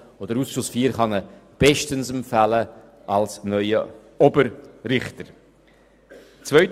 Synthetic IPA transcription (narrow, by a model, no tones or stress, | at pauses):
od̪əɾuːsʃʊsfiːɾχɑnəb̥ɛʃtənsəmfælə | ʔɑlsnœʏə | obəɾɾɪχtəɾ | t͡svœʏt